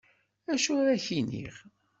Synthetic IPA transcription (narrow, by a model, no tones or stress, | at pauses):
æʃuɾæçinḭʁ